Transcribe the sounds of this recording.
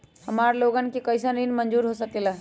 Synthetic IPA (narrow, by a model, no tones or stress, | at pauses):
həmaɾloɡənkikəjsəndinmənd͡ʒuɾɦosəkelə